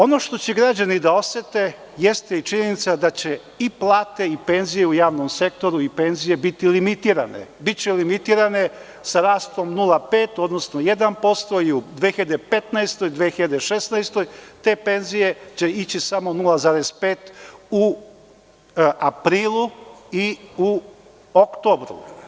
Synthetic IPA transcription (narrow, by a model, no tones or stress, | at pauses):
o̞no̞ʃt̪o̞t͡ɕe̞ɡɾad͡ʑanid̪ao̞set̪e̞ | jest̪eit͡ʃiɲenit̪sad̪at͡ɕe | iplˠaːt̪e̞ipe̞nzijeujaːʋnomse̞k̚t̪o̞ɾuipe̞nzije̞bit̪ilimit̪iːɾa̰ne̞̰bit͡ɕelimit̪iːɾane̞ | saɾaːst̪o̞mnulˠape̞ːt̪o̞d̪no̞snoje̞d̪anpo̞st̪o̞iud̪ʋexiʎad̪epet̪naest̪o̞jd̪ʋexiʎad̪eʃe̞snajst̪o̞jt̪e̞ːpe̞nzije̞t͡ɕe̞it͡ɕisamo̞nulˠazaːɾe̞speːt̪u | apɾiːlˠuiu | okt̪oːbɾṵ